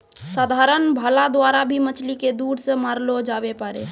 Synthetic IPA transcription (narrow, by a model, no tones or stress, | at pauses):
saːd̪ʱaɾənbʱalad̪waɾabʱimət͡ʃʰliked̪uːɽsə̃maɾlod͡ʒabepaɾe